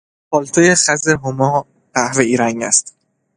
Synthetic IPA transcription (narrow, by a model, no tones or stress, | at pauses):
pʰɒːlt̪ʰojeχæzeɦomɒː | ɢ̥æhveiːɾæŋæ̰st̪